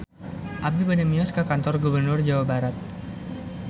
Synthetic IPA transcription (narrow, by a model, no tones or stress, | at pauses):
ʔab̚dubənəmiɔskakant̪ɔrɡubərnʊrd͡ʒawabaɾat̪̚